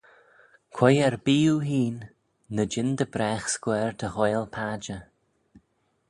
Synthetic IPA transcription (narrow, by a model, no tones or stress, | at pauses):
kʰwɛjɛɹbiːuɦiːnː | əd͡ʒɪnd̪əbɾɛːxskwɛːɹd̪əhɔjlpʰaːd͡ʒə